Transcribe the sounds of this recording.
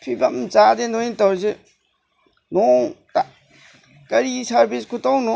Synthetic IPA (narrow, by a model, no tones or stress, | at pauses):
pʰibɐmt͡ʃadenointawɾze | nɔŋta | kɐɾisɐɾbiskʰutawnɔ